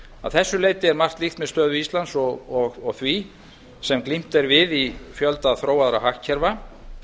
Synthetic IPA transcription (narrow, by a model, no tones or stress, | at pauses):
aðθɛsːʏleːjt̪ɪɛɾmar̥t̪lixt̪mɛðst̪œːðʏist̪lant̪sɔɔɣɔɣθvi | sɛmklim̥t̪ɛɾvɪðifjœlt̪aðθɾoːwaðɾaɦaxcʰːɛɾva